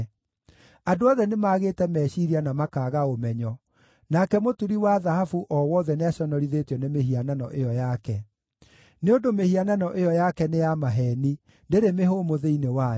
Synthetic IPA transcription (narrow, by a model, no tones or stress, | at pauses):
adoɔðɛnemaɣeːtɛmɛːʃiɾianamakaːɣaomɛɲɔ | nakɛmotuɾiwaðahafuʔɔwɔðɛneaʃɔnɔɾiðetjɔnemeɦiananɔ̰ʔejɔjakɛ | neondomehiananɔʔejɔjakɛnejamaɦɛni | ndeɾemeɦoːmoðeinewa